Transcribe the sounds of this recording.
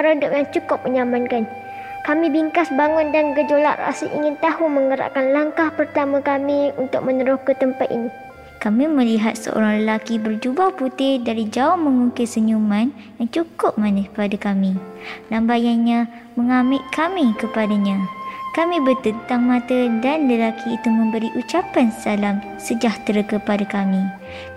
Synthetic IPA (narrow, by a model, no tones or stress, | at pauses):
paɾaudʊp̚jaŋt͡ʃukʊp̚məɲamankan | kamĩbiŋkasbaŋʊndanɡəd͡ʒolaʔra̰siʔḭŋɪnt̪aɦuməŋəɾa̰ʔkanlaŋkahpərt̪amãkamiunt̪ʊk̚mənəɾʊhkət̪əmpat̪̚ḭni | kamĩmə̃liɦat̪̚sə̰ʔo̰ɾaŋləlakibərd͡ʒubaput̪ɪhdaɾid͡ʒaʊhməŋuŋkɪsəɲumãn | jaŋt͡ʃukʊp̚mãnəpadakamĩlambajanɲã | məŋamɪt̪̚kʰamikəpadaɲãkamĩbət̪ənt̪aŋmãt̪ədanləlakʰiːt̪umə̃mbəɾiʔut͡ʃapansalam | səd͡ʒaht̪ɾakəpadakamĩ